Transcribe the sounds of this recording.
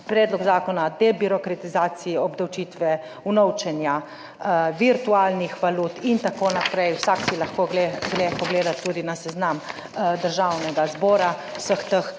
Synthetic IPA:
pɾɛːd̪lɔɡzaːkɔnad̪ɛbiɾɔkɾat̪izaːsiiɔbd̪awt͡ʃiːt̪ʋɛ | unɔwt͡ʃɛnja | ʋiɾt̪uaːlnixʋaluːt̪int̪akoːnapɾɛjwsaksilaxkoɡleɡlɛpɔɡleːd̪at̪ːuːd̪inasɛznam | d̪əɾʒawnɛɡazbɔːɾawsəxt̪əx

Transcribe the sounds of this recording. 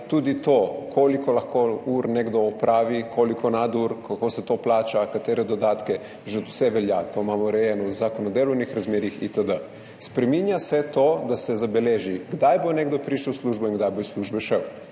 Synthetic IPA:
t̪uːd̪it̪oːkʰolikolaxkouːɾneɡd̪ɔːpɾʔaːʋikʰolikʰonad̪uɾkʰakoːsɛt̪oːplaːt͡ʃakat̪eːɾɛd̪od̪aːt̪kɛ | ʒɛwsɛʋɛljat̪oːmamɔɾɛjɛnɔzakonɔd̪eːlɔwnixɾazmjeːɾixḭt̪əd̪ə | spɾɛminjasɛt̪oːd̪asɛzabɛleːʒiɡd̪ajboneɡd̪opɾiːʃəwsluʒboinŋɡd̪ajbojsluːʒbɛʃɛw

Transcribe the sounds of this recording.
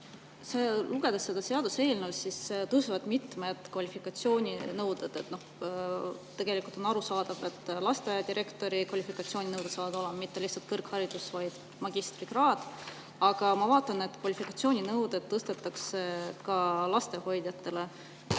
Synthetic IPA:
se̞luɡ̥e̞d̪̥ɑsːe̞d̪ɑse̞ɑd̪use̞ːlnusist̪ɤsuvɑd̪̥mit̪med̪̥kvɑlʲifikˑɑt̪sio̞ːnʲinɤwd̪̥ed̪̥et̪noh | t̪e̞ɡ̥e̞likult̪o̞nɑɾusɑːd̪̥ɑvet̪ːlɑst̪e̞d̪iɾe̞kt̪o̞ɾikvɑlʲifikɑt̪sio̞ːnʲinɤwd̪̥esɑːvɑd̪o̞lemɑmit̪ːe̞lihtsɑlt̪̚kɤrkhɑɾid̪̥usvɑjd̪̥ | mɑɡ̥ist̪rikrɑːd̪̥ | ɑɡ̥ɑmɑvɑːt̪ˑːɑne̞t̪ːˑkvɑlifikɑt̪sio̞ːnʲinɤwd̪̥ed̪̥̚t̪ɤst̪et̪ːɑksekɑlɑst̪e̞ho̞jd̪̥jɑt̪ːe̞le

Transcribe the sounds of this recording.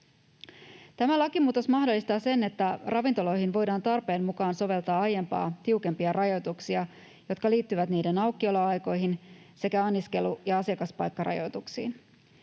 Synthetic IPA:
t̪æmælɑkimuːt̪o̞smɑhdo̞lːist̪ɑːse̞ne̞t̪ːærʔɑʋint̪o̞lo̞jɦinʋo̞jdɑːnt̪ɑrpe̞ːmmukɑːnso̞ʋe̞lt̪ɑːɑje̞mpɑ̰ːt̪iuke̞mpiɑrʔɑjo̞jt̪uksiɑ | jo̞t̪kɑliːt̪ːyʋæt̪niːde̞nɑwkːio̞loɑjko̞jɦinse̞kæɑnːiske̞lujɑɑsiɑkɑspɑ̰jkːɑrɑ̰jo̞̰jt̪uksiːn

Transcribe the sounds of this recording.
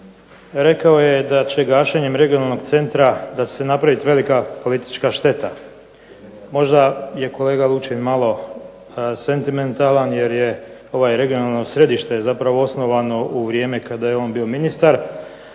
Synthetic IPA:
ɾe̞kao̞je̞d̪at͡ɕe̞ɡaːʃeɲe̞mɾe̞ɡijo̞nalˠno̞ɡt̪se̞nt̪ɾad̪at͡ʃe̥senapɾaʋit̪ʋe̞likapo̞lit̪i̥t͡ʃkaʃt̪e̞t̪a | mo̞ʒd̪aje̞ko̞le̞ːɡalˠut͡ʃenmalˠo̞ | se̞nt̪iment̪alanjeɾje̞ | o̞ʋajɾe̞ɡio̞nalˠno̞sɾe̞d̪iʃt̪e̞zapɾaʋo̞o̞sno̞ʋano̞ʔuʋɾijeːme̞kad̪ajeo̞ːnbio̞minist̪aɾ

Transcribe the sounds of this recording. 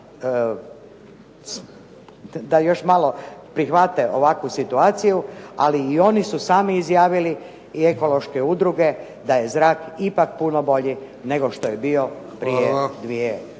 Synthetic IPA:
d̪ajo̞ʃmalo̞pɾixʋat̪eʔoʋakʋusit̪uaːt̪sijua̰liːo̞nisusaːmiːzjaːʋili | ie̞ko̞lo̞ʃkeud̪ɾuɡe̞ | d̪aje̞zɾaːkipakpunobo̞ʎi | ne̞ɡo̞ʃt̪o̞jebio̞pɾijed̪ʋie

